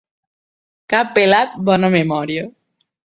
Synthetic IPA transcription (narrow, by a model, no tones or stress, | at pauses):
kapːelat̪̚bɔnomemɔɾjo